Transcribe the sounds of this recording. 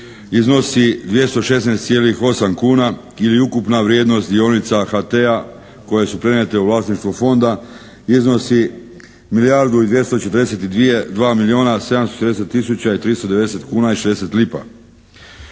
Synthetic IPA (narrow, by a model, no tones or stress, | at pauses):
izno̞sid̪ʋje̞st̪o̞ʃe̞snest̪sje̞ːlixo̞samkuːna | iliukupnaʋɾje̞ːd̪no̞st̪d̪io̞nit̪saxat̪ea | ko̞je̞supɾenet̪e̞uʋlˠaːsniʃt̪ʋufo̞nd̪a | izno̞si | milijaɾd̪uid̪ʋje̞st̪o̞t͡ʃe̞t̪əɾd̪eset̪id̪ʋije̞d̪ʋaːmilio̞ːnase̞d̪amst̪ot͡ʃet̪ɾd̪eset̪ːisut͡ɕait̪ɾist̪o̞d̪eed̪eset̪kuːnaiʃed̪e̞set̪lipa̰